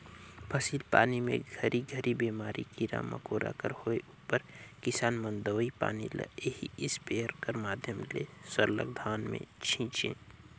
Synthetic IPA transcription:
pʰəsiːlpa̰ːnimḛ̃ɡʱəɾʔiɡʱəɾʔibeːmaːɾʔikiɾa̰mɐ̰koːɾʔa̰ːkəɾhoːeuːpəɾkɪsaːnmə̃nd̪əʋipa̰ːnilɐ̰ehiɪspeːəɾkəɾmaːd̪ʱjəmlesəɾlə̰ɡ̚d̪ʱaːnmḛ̃t͡ʃʰĩːt͡ʃḛ̃ː

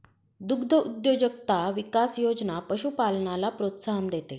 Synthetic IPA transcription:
d̪uɡd̪ʱəud̪jod͡ʑəkt̪aʋikasjod͡znapəɕupalɳalapɾot̪saɦənd̪et̪e

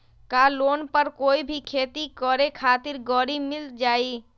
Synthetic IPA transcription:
kaːloːnpəɾkoːibʱikʰeːt̪ikɔːɾekʰaːt̪ɪɾɡɔːɽimɪld͡ʒaːiː

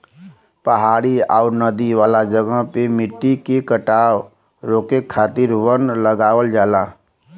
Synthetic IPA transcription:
pəɦaːɽiaːnəd̪iʋaːlad͡ʒəɡəɦpemɪʈːikekəʈaːw | ɾoːkekʰːaːt̪ɪɾʋənləɡaːwəld͡ʒaːlaː

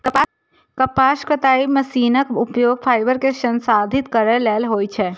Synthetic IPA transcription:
kəp | kəpaːskɾət̪aːiməsiːnəkʊpjoːɡ̚pʰaːjbəɾkesə̃nsaːd̪ʱɪt̪kəɾəlɛːlɦoːjt͡ʃʰɛ

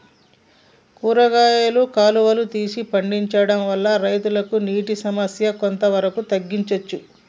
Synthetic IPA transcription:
kuːɾɐɡaːjɐlukaːluʋɐlut̪iːsipɐɳɖiɲt͡ʃɐɽɐmʋɐlːɐɾɐjt̪ulɐkuniːʈisɐmɐsjɐko̞nt̪ɐʋɐɾɐkut̪ɐɡːiɲt͡ʃɐt͡ʃːu

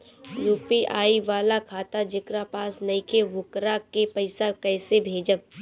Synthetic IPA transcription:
juːpiʔaːiʋaːlakʰaːt̪ad͡ʒɪkɾapaːsnɐĩkʰeʋʊkɾakepɐɪsakɛːsebʱeːd͡ʒəb̚

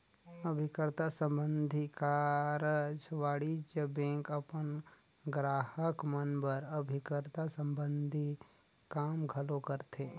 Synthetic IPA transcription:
əbʱɪkɾt̪asə̃mbə̃nd̪ʱikaɾəd͡ʒʋaːɽid͡ʒəbẽːŋkəpən | ɡɾaːhəkmənbəɾəbʱɪkɾt̪asə̃mbə̃nd̪ʱi | kaːmɡʱɐlokəɾt̪eː

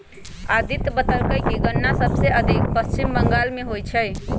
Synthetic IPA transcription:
ad̪ʱit̪bət̪əlkəjkiɡənːasəbseʔəd̪ʱik̚pəst͡ʃimbəŋɡalmeɦojt͡ʃʰəj

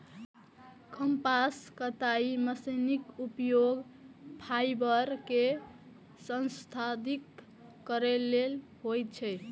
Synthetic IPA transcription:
kʰəmpaskət̪aiməsənikupjoɡpʰajbəɾke | sə̃nst̪ʰad̪ikː | əɾelelɦojt̪̚t͡ʃʰɛj

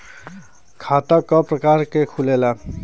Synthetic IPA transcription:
kʰat̪akɔpɾəkaɾkekʰulela

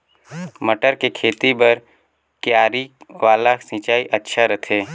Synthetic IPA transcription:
məʈəɾkekʰeːt̪ibəɾ | kjaːɾiʋaːlasĩt͡ʃaːiʔɐtːʃʰaɾɐt̪ʰeː

